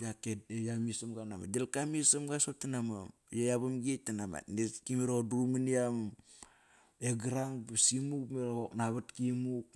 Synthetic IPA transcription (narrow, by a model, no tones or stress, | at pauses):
jakedejamisamɡana̰ma̰delkamisamɡasop̚tanama | jajaβamɡietːanama̰tnekimiɾodɾuminiam | eɡaɾaŋbasimukmeɾooknaβatkimuk̚